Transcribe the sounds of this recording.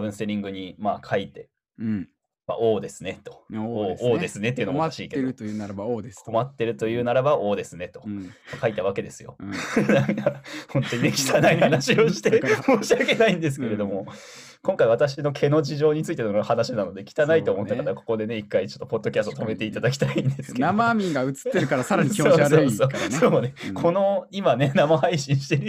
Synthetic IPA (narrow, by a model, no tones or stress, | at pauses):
bɯ̟ɰ̃seɾʲĩŋɡɯ̟ɲ̟imaːkʰait̪e̞ | ma̰ʔo̞ːd̪e̞sɨne̞t̪o̞̥ooːd̪esɨne̞t̪ːeiɯ̟noaɕiːke | komat̪ːe̞ɾɯ̟t̪o̞jɯ̟ːnaɾabaʔo̞ːd̪e̞sɨne̞t̪o̞̥makait̪aβ̞ake̞d̪e̞sɨjo̞̰nãŋkahõ̞nt̪o̞ɲinekʲi̥t̪anaihanaɕio̞ɕi̥t̪e̞moːɕiake̞naĩnd̪es̬ɨ̥ke̞ɾe̞d̪o̞mo̞ | kõ̞ŋkaiβ̞at̪aɕino̞kʰe̞no̞d͡ʑiʑo̞ːɲ̟it͡sɨit̪enohanaɕinano̞d̪e̞kʲi̥t̪anait̪o̞ːmo̞t̪ːakat̪akoko̞d̪e̞ne̞ikːait͡ɕo̞t̪ːo̞po̞d̪ːo̞kʲasɨ̥t̪ot̪o̞me̞t̪e̞it̪ad̪ak̬ʲi̥t̪aĩnd̪esɨ̥kenamamʲĩŋɡaɯ̟t͡sɨ̥t̪ːeɾɯ̟kaɾasaɾaɲiosoːsoːsoːne̞kʰo̞no̞imane̞namahaiɕĩɰ̃ɕi̥t̪eɾɯ̟